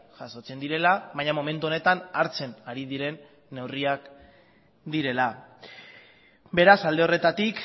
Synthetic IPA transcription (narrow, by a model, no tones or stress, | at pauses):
ʝaso̞t͡se̞nd̪iɾe̞laβajɲamo̞me̞nt̪̬uo̞ne̞t̪anaɾt͡se̞naɾið̞iɾe̞nː | e̞wriak | d̪iɾe̞la | be̞ɾasald̪e̞o̞re̞t̪at̪ik